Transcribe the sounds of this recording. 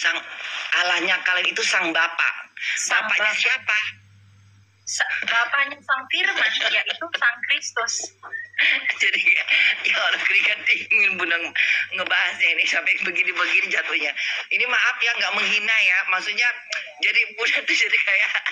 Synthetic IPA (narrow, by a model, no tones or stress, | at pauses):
saŋalahɲakalanit̪usaŋbapa̰bapaʔɲasiapa | sbapaɲasaŋfirmanjaʔit̪usaŋkɾist̪ʊs | d͡ʒadijaolaŋkəɾikandiŋɪnbunaŋŋəbaɦasɲainisapajaŋbəɡinibəɡinid͡ʒat̪ohɲainimaʔafjaŋɡaʔməŋɦinajamaksuʔɲad͡ʒadibunat̪ud͡ʒadikʰajaʔ